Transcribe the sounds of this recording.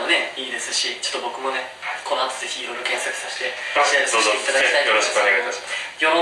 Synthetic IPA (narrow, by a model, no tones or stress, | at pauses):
one̞iːd̪e̞sɨɕit͡ɕot̪ːobo̞kɯ̟mo̞ne̞hako̞noat̪oze̞çʲiːɾo̞jɾo̞kẽ̞sakɯ̟̥saɕi̥t̪e̞ɕiaɾsoeit̪ad̪akiaijoɾoɕi̥kɯoneɡajt̪aɕi̥masjom